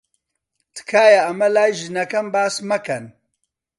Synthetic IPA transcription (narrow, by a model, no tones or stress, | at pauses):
t̪ɨ̥kʰaːjɐɐmɐlaːjʒɨnɐkɐmbaːsmɐkɐn